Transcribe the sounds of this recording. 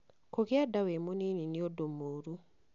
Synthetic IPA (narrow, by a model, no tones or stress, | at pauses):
koɣjadawemonininiodomoːɾu